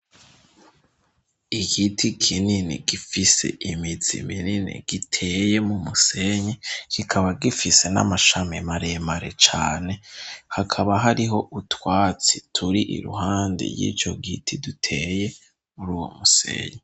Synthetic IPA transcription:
iɡitʰikʰininḭɡifise̞̰ʔimid͡zḭmininḭɡ̥itʰe̞jemumuse̞ɲekikʰaβaɡifise̞na̰maʃamimaɾemaɾe̞̰t͡ʃaːne̞hakʰaβaɦaɾiɦoʔutwaːt͡si̥tʰuɾiʔḭɾṵɦaːndḭjḭːt͡ʃo̞ɡitʰidutʰeje̞ | muɾuːwo̞̰musḛːɲe

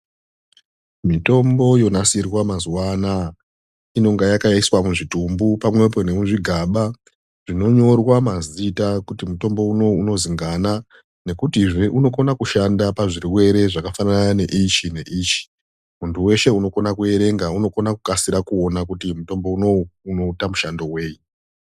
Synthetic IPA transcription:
mito̞mbo̞jo̞nasirwamazwana | ino̞ŋɡajakajaiswamuʐitumbupamwe̞p̬o̞ne̞muʐiɡʱaɓa | ʐ̥ino̞ɲo̞rwamazitakutimuto̞mbo̞uno̞uno̞ziŋɡana | ne̞kutiʐeʔuno̞ko̞nakuʃandapaʐiɾiwe̞ɾe̞ʐakafananaane̞ʔit͡ʃine̞ʔiːt͡ʃi̥ | muntʰuwe̞ʃe̞uno̞ko̞nakue̞ɾe̞ŋɡauno̞ko̞nakukasiɾakuo̞nak̬utimuto̞mbo̞uno̞uno̞utamuʃando̞we̞ːji

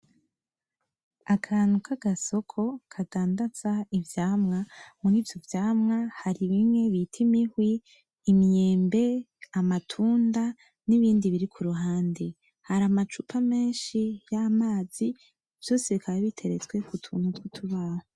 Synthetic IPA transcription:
akʰaːn̥hukʰaɡ̥aso̞kʰo̞kʰadaːndazaivjaːmŋamuɾiːvjo̞vjaːmŋahaɾiβimŋe̞βitʰimihwiː | mjeːmbe̞ | amatʰuːnda | niβiːndiβiɾikʰuɾuɦaːnde | haɾamat͡ʃupʰame̞ːnʃijamaːz̥i | v̥jo̞ːse̞βikʰajaβitʰe̞ɾet͡swe̞kutʰunutwutʰuβaːho

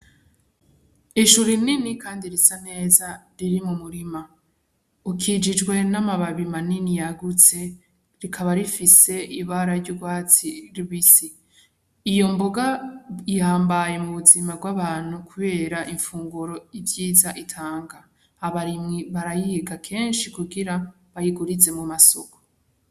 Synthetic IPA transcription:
iʃuɾininikʰaːndiɾisane̞ːzaɾiɾimumuɾima | ukʰid͡ʒid͡ʒɡwe̞namaβaβimaninijaɡut͡se̞ | ɾikʰaβaɾifise̞ʔiβaɾaɾɟuɡwaːt͡siɾiβisiː | jo̞mboɡaihaːmbaje̞muβuzimabɡwaβaːn̥hukʰuβe̞ːɾaʔiɱfuːŋɡuɾo̞ivjiːzaʔitʰaːŋɡaː | βaɾimŋiβaɾajihiɡakʰe̞ːnʃikuɡiɾa | βajiɡuɾize̞mumasoko̥

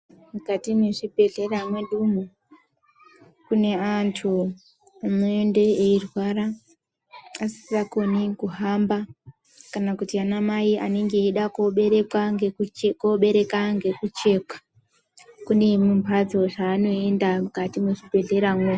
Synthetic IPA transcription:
mukatimweʐibʱe̞ɮe̞ramweɗumo | kune̞antʰu | amuende̞eirwaɾa | asi̥ako̞nikuɦamba | kanakutianamaiʔa̰neŋɡe̞iɗakoɓeɾekwaŋɡekoɓe̞ɾe̞kaŋɡe̞kut͡ʃe̞ːkḁ | kune̞mumpad͡zo̞ʐaːno̞e̞ndamukatimweʐibʱe̞ɮe̞ɾamwe

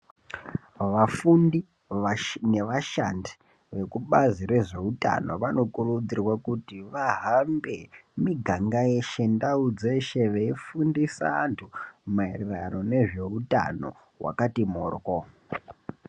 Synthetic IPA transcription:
ʋafundi | ne̞ʋaʃandi̥ | ʋe̞kuɓazire̞ʐe̞uta̰no̞̰ʋano̞kurud͡zirwakutiʋaɦambe̞miɡʱaŋɡajeʃe̞ndaud͡ze̞ʃe̞ʋeifundisa̰ːntʰumairiraro̞ne̞ʐe̞uta̰no̞̰ | ɦwa̰katimoːrko

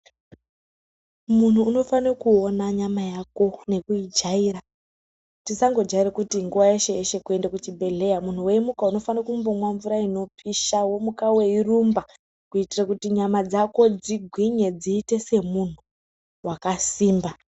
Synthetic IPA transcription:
mun̤uːno̞fanekuo̞naɲamajako̞ne̞kuid͡ʒaiːra | tisaŋɡod͡ʒaiɾekutiŋɡuʋajeʃe̞jeʃe̞kue̞ndakut͡ʃibʱe̞ɮe̞jamun̤uwe̞imukauno̞fanakumbomwaɱvuɾaino̞piʃawo̞mukawe̞irumba | kuitirakutiɲamad͡zako̞d͡ziɡʱwiɲe̞d͡ziːte̞se̞mun̤u | wakasiːmba

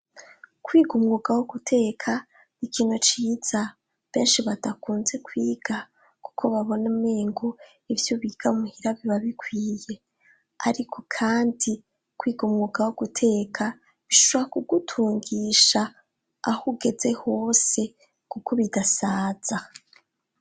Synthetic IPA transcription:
kwiːɡumŋuːɡawoɡ̥utʰe̞ːkʰa | nikiːnot͡ʃiːz̥a | βe̞ːnʃiβatakuːnze̞kwiːɡ̥a | ku̥kʰo̞βaβo̞nemeːŋɡo | ivjoβiːɡ̥aumuhiɾaβiβaβikwiːje̞ | a̰ɾikʰo̞̥kʰaːndi | kwiːɡumŋuːɡawoɡ̥utʰe̞ːkʰa | βiʃoβoɾakuɡutʰuːŋɡiːʃaː | huɡe̞ze̞ho̞ːse̞ | kuko̞βidasaːz̥a

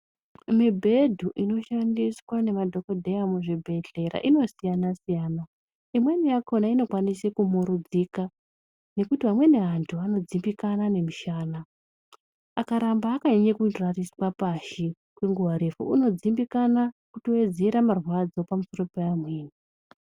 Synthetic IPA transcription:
mibʱe̞dʱuʔino̞ʃandiswane̞madʱo̞ko̞dʱejamuʐebʱe̞ɮe̞ɾa̰ʔino̞sijanasijaːna | imwe̞nijakʰo̞naino̞kwanisekumoɾud͡zika | ne̞kutiʋamwe̞ne̞ɦantʰuano̞d͡zimbikanane̞miʃaːna | akaɾambaːkaɲaɲekurariswapaʃi | kwe̞ŋɡuwaɾefṵuno̞d͡zimbikanakutowed͡zeɾamarwad͡zo̞pamuso̞ro̞peamweːni

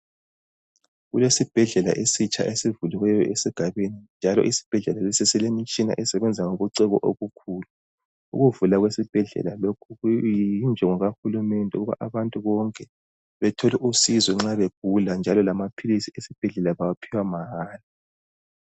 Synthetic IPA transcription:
ɣulesib̥ʱɛɮɛla̰ʔesit͡ʃʼa̰ʔesivuliwɛjɔʔesiɡ̥ʱaβenind͡ʒʱalɔ̰ʔisi̥b̥ʱɛɮɛlalisisɛlemit͡ʃʼina̰ʔɛsɛβɛnd͡zʱaŋoβuǀɛɣɔ̰ʔoɣukʰuːlu | ṵɣuvulaɣwesib̥ʱɛɮɛ̰lalokʰuɣuind͡ʒʱɛŋɔɣaxulumɛndʱɛuɣuβa̰ʔaβantʼuβɔŋkʼɛ | βɛtʰɔlɛʔusizɔŋ͡ǁaβeb̥ʱuland͡ʒʱalɔlamapʰilisiesib̥ʱɛɮɛlaβawapʰiwamaɣaːli

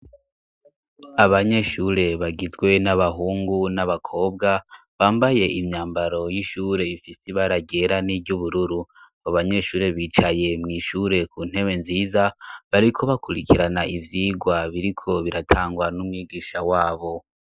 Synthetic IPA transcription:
aβaɲe̞ʃuɾe̞βaɡizɡwe̞naβaɦuːŋɡunaβakʰo̞ːb̚ɡa | βaːmbaje̞ʔimɲaːmbaɾo̞jiʃuːɾe̞ifisiβaɾaɡe̞ɾanibɟuβuɾuɾu | aβaɲe̞ʃuːɾe̞βiːt͡ʃaje̞mŋiːʃuɾe̞kuːn̥he̞we̞nziːzaβaɾikʰo̞βakuɾikiɾanaʔivjiːɡwaβiɾikʰo̞βiɾatʰaːŋɡwanumŋiːɡiːʃawaːβo̞

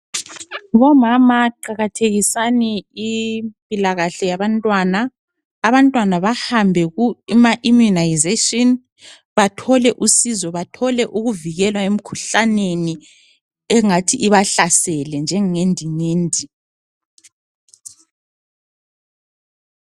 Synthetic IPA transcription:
βɔmamaǃaɣatʰeɣisaniipʼilaɣaɬɛjaβantʼwanaː | βantʼwanaβahambʱɛɣumaʔimunajzetʼɔn | βatʰɔlɛʔusizɔβatʰɔlɛʔuɣuviɣɛlwaem̩kʰuɬaneni | ɛŋatʰiʔːβaɬasɛlɛnd͡ʒʱɛŋendʱiŋeːndʱi

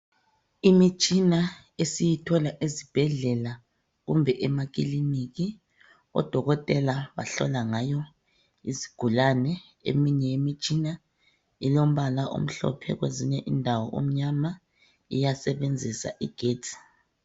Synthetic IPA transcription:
imit͡ʃʼina | esijitʰɔlaʔizib̥ʱɛɮɛla | ɣumbʱɛʔɛmaɣilimiɣi | ɔ̰d̥ʱɔɣɔtʼɛlaβa̰ɬɔ̰laŋajɔ | ḭziɡ̥ʱulanɛ | ḛmiɲɛjemit͡ʃʼina | ilom̩βalaʔo̰m̩ɬɔ̰pʰɛ̰ɣweziɲɛʔindʱawɔʔom̩ɲama | ḭjasɛβend͡zʱisa̰ʔiɡ̥ʱeːtʰi̥

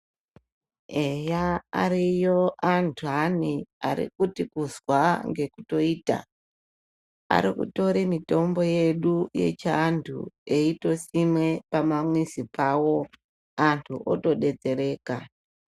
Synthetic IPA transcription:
ejaa̰ɾijo̞ʔantʰuɦania̰ɾḭkutikuzwaŋɡe̞kuto̞iːta̰ | a̰ɾikṵto̞ɾemito̞mbo̞je̞ɗuje̞̰t͡ʃantʰṵe̞ito̞simwe̞pamamwisipawo̞ | antʰuʔo̰to̞ɗe̞d͡ze̞ɾe̞ːka

